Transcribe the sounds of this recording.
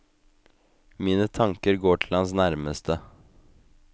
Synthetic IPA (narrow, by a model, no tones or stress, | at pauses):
miːnət̪ʰɑŋkəɾɡoːʈʰɪlɑnsnæɾməst̪ʰə